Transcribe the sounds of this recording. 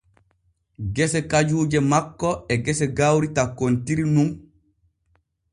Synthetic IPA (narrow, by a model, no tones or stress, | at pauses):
ɡɛsɛkad͡ʒuːd͡ʒɛmakːɔɛɡɛsɛɡawɾitakːontiɾinuŋ